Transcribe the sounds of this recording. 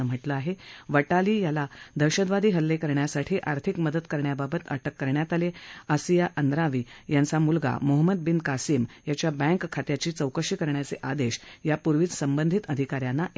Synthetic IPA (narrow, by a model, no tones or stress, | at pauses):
əm̤əʈləaɦeʋəʈaliːjalad̪ʱəɾɕəd̪ʋad̪ʱiːɦəlːekəɾɳjasaʈʰiːʔaɾt̪ʰikməd̪ət̪kəɾɳjababət̪ə̰ʈəkːəɾɳjat̪aleəsijaʔənd̪ɾaʋiːjant͡samulɡa̰moɦəməd̪̚binkasimjat͡ɕjabɛ̃ŋkkʰːat̪jat͡ɕiːt͡səwkəɕiːkəɾɳjat͡seʔad̪eɕjapuɾʋid͡z̪səmbənd̪ʱit̪əd̪ʱikaɾjanːaʔ